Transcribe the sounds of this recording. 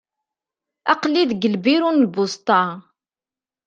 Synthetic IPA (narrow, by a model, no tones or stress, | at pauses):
ɑqlːiðɡəlbiɾunlbʊst̪ˤɑ